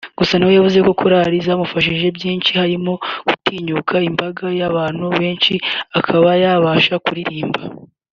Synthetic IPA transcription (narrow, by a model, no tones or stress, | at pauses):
ɡ̥usanahojavuze̞ko̞kʰoɾaɾizamufaʃ̬iʒe̞bjiːnʃihaɾimo̞ɡ̥utiːɲukʰaimbaɡajaβaːn̥huβe̞ːnʃiakʰaβajaβaʃakuɾiɾiːmba